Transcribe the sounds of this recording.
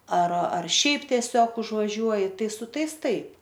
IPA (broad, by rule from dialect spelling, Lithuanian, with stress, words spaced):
ɐr ɐr ˈʃʲɛɪp tʲiɛˈsʲoːk ʊʒʋɐˈʒʲuɔjɪ ˈtɐɪ sʊ ˈtɐɪs ˈtɐɪp